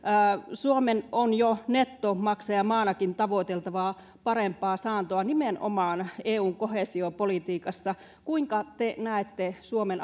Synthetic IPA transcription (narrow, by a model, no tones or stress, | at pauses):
əːsuomenonjonet̪ːomɑksɑjɑmɑːnɑkint̪ɑʋoˑit̪elt̪ɑʋɑː | pɑrempːˑɑːsɑːnt̪oɑnimeno̰mɑːneːuːŋkohesiopolit̪iːkɑsːɑ | kuiŋkɑt̪enæˑet̪ːesuomen